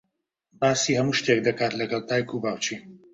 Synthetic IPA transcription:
baːsiːhɐmuːʃt̪ek̚d̪ɐkaːt̪lɐɡɐlˠt̪aːjkʰubaːwt͡ʃi

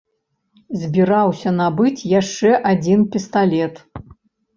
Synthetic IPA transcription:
zʲbʲiɾawsʲɐnabɨt͡sʲjaʂt͡ʂɛʔad͡zʲinpʲist̪alʲɛt̪

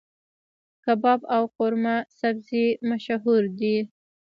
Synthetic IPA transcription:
kabɑbawqʊɾmasabzimaʃaɦuɾd̪i

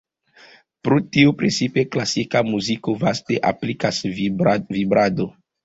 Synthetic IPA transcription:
pɾotiupɾet͡sipeklasikamuzikovasteʔa̰plikas | vibɾado

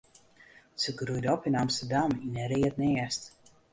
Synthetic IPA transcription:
səɡɾudɔpinamsədaminɛɾiətnɛəst

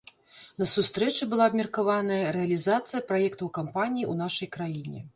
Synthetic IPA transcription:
nɐsust̪ɾɛt͡ʂɨbɨlˠaɐbmʲɛrkavanɐjɐɾɛɐlʲizat̪sɨjɐpɾajɛkt̪ɐwkampanʲijiun̪aʂɐjkɾajinʲɛ̰

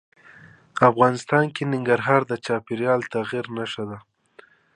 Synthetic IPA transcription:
afɣɑnɪst̪ɑnkenɪŋɡaɾɦɑɾd̪ət͡ʃɑpɪɾjɑlt̪aɣiɾnaʃad̪a

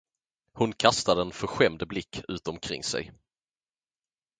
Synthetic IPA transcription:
hʊnkʰast̪ad̪əɛnfœɾɧɛmd̪blɪkʰːʉ̟ːt̪ɔmkʰɾɪ̰ŋsɛ̰j

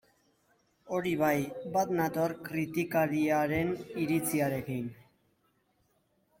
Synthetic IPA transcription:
o̞ɾiβajbat̪nat̪oarkɾit̪ikaɾiaɾe̞niɾit͡siaɾe̞kin

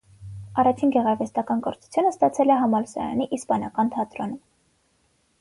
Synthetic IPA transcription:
ɑrɑt͡ʃʰinɡɛʁɑɾvɛst̪ɑkɑnkɔɾt͡sʰu̥t͡sʰjunəst̪ɑt͡sʰɛlɛɦɑmɑlsɑ̰ɾɑ̰niʔispɑnɑkɑnt̪ʰɑt̪ɾɔnum

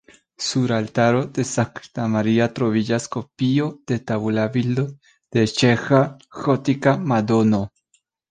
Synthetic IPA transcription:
suɾalt̪aɾod̪esakt̪amaɾiat̪ɾoβid͡ʒaskopiod̪̥et̪aβulaβild̪o | d̪̥et͡ʃexaxot̪ikamad̪ono

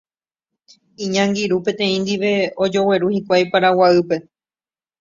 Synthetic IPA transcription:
iɲãŋɡiɾupẽ̞t̪ẽ̞ĩnd̪iʋe̞od͡ʒo̞we̞ɾuhikʷajpaɾawaɨpe̞

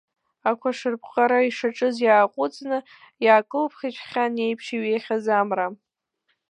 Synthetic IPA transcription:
akʷʰaʂɨrpʰqʼaɾaiʂaʈ͡ʂʼɨzjaːqʷʼʊt͡sʼnɨ | jaːkʼɨlpʰχʲit͡ʃʰʼχʲane̞jpʰʂiɥejχʲazamra

